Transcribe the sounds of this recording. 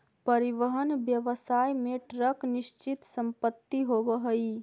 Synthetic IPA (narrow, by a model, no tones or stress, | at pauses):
pəɾiʋəɦənbjəʋsaːjmẽʈɾəknɪʃt͡ʃɪt̪səmpət̪ːiɦobəɦəi